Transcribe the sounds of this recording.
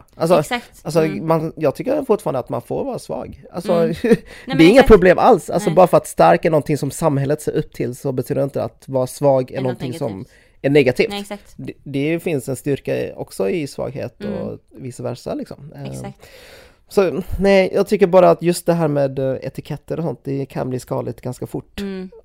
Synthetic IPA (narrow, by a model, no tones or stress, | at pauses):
ʔalsɔ | als̬ɔmanjɑːɡt̪ʰʏkːəɾfʊʈːfɑːɾand̪at̪ma̰nfoːɾvɑːɾasvɑ̰ːɡa̰lsɔ | d̪ɛɾɪŋːapʰɾʊbleːmʔalsa̰lsɔbɑːɾafœɾat̪st̪æɾkænɔnt̪ʰɪŋsɔmsamːhɛlːət̪seːɾɵpːt̪ʰɪlsɔbɛt̪yːd̪əɾɪnt̪əa̰t̪vɑːɾasvɑːɡɛnɔnt̪ʰɪŋsɔm | æɳɛɡat̪ʰiːft̪d̪ɛfɪnsɛnst̪ʏɾkaɔ̰ksɔɪsvɑ̰ːɡhḛːt̪ɔ̰viːsavæʂa̰lɪksɔ̰m | sɔnɛjʔɑːɡ̚t̪ʰʏkːəɾbɑːɾaːt̪jɵst̪̚d̪ɛɦæːɾmeːd̪ɛ̰t̪ɪkʰɛt̪ːəɾɔsɔnt̪̚d̪ɛkʰa̰nbliːskɑ̰ːd̪lɪɡt̪ɡanskafʊʈː